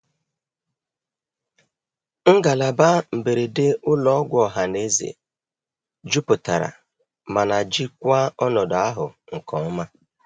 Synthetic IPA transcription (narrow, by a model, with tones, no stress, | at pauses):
ŋ̩˦ɡa˨la˨ba˦m̩˨be˨ɾe˨de˦ʊ˦lɔ˦ɡʷɔ˨ɦa˨ne˦zḛ˨ | d͡ʒu˦pʊ˨ta˨ɾa̰˨ | ma˨na˨d͡ʒi˦kʷa˦ɔ˦nɔ˨da˦ɦʊ˨ŋ̩˨kɔ˨˦ma˦